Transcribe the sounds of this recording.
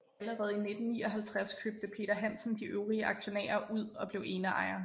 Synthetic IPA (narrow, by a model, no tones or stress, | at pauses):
ləʁɛːð̞̩ˠine̝d̥n̩nḭːɒ̽ɦælt͡sʰʁaskʰøːb̥̚d̥əpʰe̝̰ːɾ̥ɐɦæn̰sn̩d̥iʔøʊʁiəʔɑ̈ɡ̥ɕo̝nɛ̰ːɐʔuð̞̰ˠɒ̽b̥le̝ʊʔe̝ːnəʔɑ̰̈ɪ̰ɐ